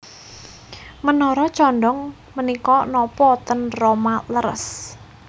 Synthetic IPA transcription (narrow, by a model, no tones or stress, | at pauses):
mənɔɾɔt͡ʃɔnɖɔŋ | mənikɔnɔpɔt̪ənromaləɾə̰s